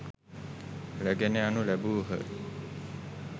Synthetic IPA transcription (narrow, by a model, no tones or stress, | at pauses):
ɾæɡeneanulæbuːɦə̰